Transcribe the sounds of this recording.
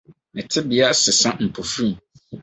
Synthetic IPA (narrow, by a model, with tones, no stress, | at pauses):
nɪ̃˨tʰɪ˦bɪ˨a˦sɪ˨sã˦m̩˨pʰo˨fĩ˦m˨